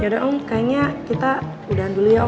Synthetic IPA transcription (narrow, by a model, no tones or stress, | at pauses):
adaʔuŋkajaɲakit̪a | udaɦandulija